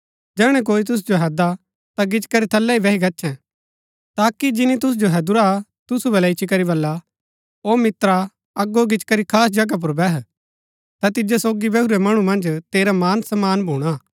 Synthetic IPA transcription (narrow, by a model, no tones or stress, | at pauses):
d͡ʒɛːɽ̃ɛ̃k̬oːit̪̬ʊs̬d͡ʒoɦɛd̪a | t̪aɡɪt͡ʃkɐɾit̪ʰɐlːɛibɛɦiɡɐtːt͡ʃʰɛ̃ | t̪aːkid͡ʒɪnit̪̬ʊs̬d͡ʒoɦɛd̪ʊɾat̪ʊsubɐlɛɪt͡ʃʰikɐɾiβɐlːa | oːmɪt̪ɾa | ɐɡːoɡɪt͡ʃkɐɾikʰaːsd͡ʒɐɡap̬ʊɾbɛɦ | t̪at̪ɪd͡ʒesoːɡibɐɦuɾemɐɽ̃umɐ̃nd͡ʒt̪eːɾamaːnsɐmaːnbʱuːɽ̃a